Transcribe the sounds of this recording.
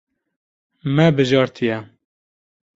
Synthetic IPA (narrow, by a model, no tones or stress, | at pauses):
mɛbɨʒɑːɾt̪ʰijɛ